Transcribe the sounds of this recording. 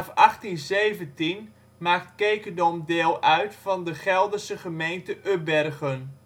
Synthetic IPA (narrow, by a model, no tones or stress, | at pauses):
fɑχtinzejvəntin | maːktkejkədɔmdeːlˠœɥtfɑndəχɛlˠdəsəχəmejntəʔøbɛrɣən